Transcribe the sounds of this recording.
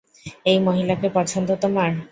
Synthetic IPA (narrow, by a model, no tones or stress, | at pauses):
ejmoɦilakepɔt͡ɕʰond̪ot̪omaɾ